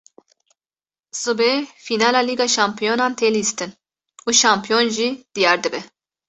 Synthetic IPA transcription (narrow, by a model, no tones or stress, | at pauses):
zɨbefiːnɑːlɑːliːɡɑːʃɑːmpʰijoːnɑːnt̪ʰelist̪ɨn | uːʃɑːmpʰijonʒid̪̥ijɑːɾd̪ɨbɛ